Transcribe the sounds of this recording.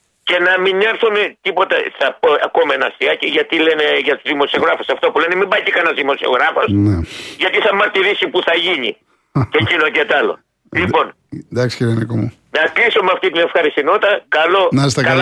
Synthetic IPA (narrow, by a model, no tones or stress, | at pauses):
ce̞nɐmiɲeɾθumet̪ipo̞t̪ɐθɐpoɐkomɐenɐst̪iɐciʝɐt̪ile̞ne̞ʝɐt̪uzðimo̞sio̞ɣɾɐfosɐft̪opule̞nemibɐcikɐnɐzðimo̞sio̞̰ɣɾɐfo̞sneʝɐt̪iθɐmɐɾt̪iɾisipuθɐʝiɲi | ecinot̪et̪ɐlo̞̰ | lipo̞n | d̪ɐksi̥ciɾenikomu | nɐklisomeɐft̪it̪ine̞fxɐɾist̪ino̞t̪ɐkɐlo̞nɐist̪ɐk